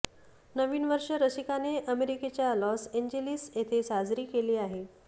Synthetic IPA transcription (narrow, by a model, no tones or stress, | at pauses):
nəʋiːnʋəɾʂəɾəɕikaneʔəmeɾiket͡ɕjalɔseɲd͡ʑelisjet̪ʰesad͡zɾiːkeliːaɦe